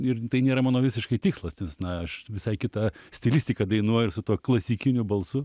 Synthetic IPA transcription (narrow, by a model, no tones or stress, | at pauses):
ɪrt̪ɐɪnʲeːɾɐmɑːnoːʋʲɪsʲɪʃkɐɪt̪ʲɪkslˠɐsnʲɛsnɐɐʃʋʲɪsɐɪkʲɪt̪ɐsʲt̪ʲɪlʲɪsʲt̪ʲɪkɐd̪ɐɪnuɔjɪrsʊt̪uɔklˠɐsʲikʲɪnʲʊbɐlˠsʊ